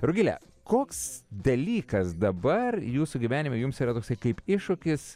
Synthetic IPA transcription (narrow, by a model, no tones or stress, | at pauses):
ɾʊɡʲɪlʲɛ̰ | koːksd̪ɐlʲiːkɐsd̪ɐbɐrjuːsuɡʲiʋʲæːnʲɪmʲʊjʊmsiːɾɐt̪oːksɐɪkɐɪpɪʃʊkʲɪs